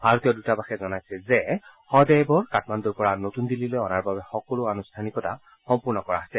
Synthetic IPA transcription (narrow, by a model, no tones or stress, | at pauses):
bʱaɹɔt̪ijɔdutabaxɛzɔnajsɛzɛ | xɔdɛjbɔɹkatmandɔɹpɔɹanotundililojɔnaɹbabɛxɔkɔlʊanustʰanikɔta̰ | xɔmpuɹnɔkɔɹa̰asɛ